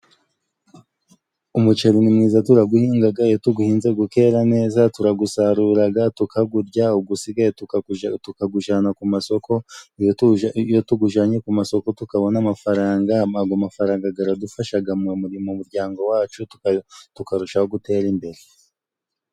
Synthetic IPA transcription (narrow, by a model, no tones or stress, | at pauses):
umut͡ʃeɾinimŋiːzatuɾaɡuhiːŋɡaɡajotuɡuhiːnzeɡuke̞ːɾane̞ːzatuɾaɡusaɾuːɾaɡatukʰaɡuɾɟauɡusiɡajttukaɡuʒanakumaso̞ko̞ | jotuɡuʒaːɲekumaso̞ko̞tukaβo̞namafaɾaːŋɡamaɡomafaɾaːŋɡaɡaɾadufaʃaɡamemuɾimumuɾɟaːŋɡo̞waːt͡ʃuttukaɾuʃahoɡute̞ːɾimbe̞ɾe